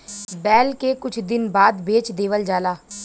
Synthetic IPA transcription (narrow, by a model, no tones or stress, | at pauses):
bɛːlkekʊt͡ʃʰd̪ɪnbaːd̪beːt͡ʃd̪eːʋəld͡ʒaːlaː